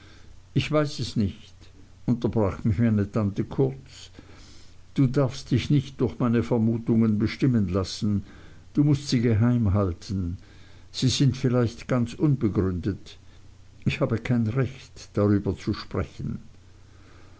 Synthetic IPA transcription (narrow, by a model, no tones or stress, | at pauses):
ʔɪçv̥aɪsɛsnɪçt | ʔʊntɐbʁaːχmɪçmaɪnətʰantəkʰʊɐt͡s | d̥uːdaɐfstd̥ɪçnɪçt̚d̥ʊɐçmaɪnəfɛɐmuːtʊŋənbəʃtɪmənlasn̩ | d̥uːmʊstz̥iːɡəɦaɪmɦaltʰn̩ | z̥iːzɪntfɪlaɪçtɡ̥ant͡sʔʊnbəɡʁʏndət | ʔɪçhaːbəkʰaɪnʁɛçtd̥aʁyːbɐt͡suʃpʁ̥ɛçn̩